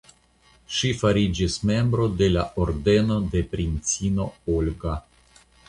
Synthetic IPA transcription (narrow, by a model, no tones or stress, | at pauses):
ʃifaɾid͡ʒisme̞mbɾo̞de̞laʔoɾde̞no̞de̞pɾint͡sino̞olɡa